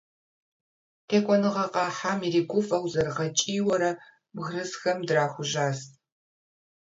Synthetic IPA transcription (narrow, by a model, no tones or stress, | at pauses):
tʰeːkʷʼɔnɨʁɐqɑːħaːmiriːɡʷʊfʼɐwzɐrʁɐt͡ʃʼiːwɐɾɐ | bɣrɨzxɐmdraːxʷʊʒaːs